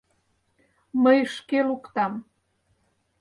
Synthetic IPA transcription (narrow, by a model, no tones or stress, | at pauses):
məjʃkelukt̪ɑm